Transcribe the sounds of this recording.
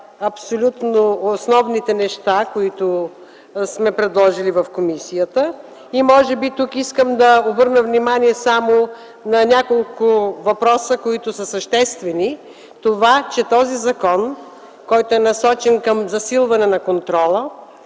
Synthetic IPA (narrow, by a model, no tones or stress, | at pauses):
ɐpsolʲut̪noːsnɔvnit̪ɛnɛʃt̪akoit̪ʊ | smɛpɾɛd̪lˠɔʒilivɐfkomisijət̪ə | imɔʒɛbit̪ukiskəmd̪ɐobɤɾnəvnimaniɛsamo | nɐnʲakolˠkʊvɐpɾɔsəkoit̪ʊsəsəʃt̪ɛst̪vɛni | t̪ovat͡ʃɛt̪ɔzizɐkɔn | kɔjt̪oɛnɐsɔt͡ʃɛnkɐmzɐsilˠvɐnɛnɐkont̪ɾɔlˠə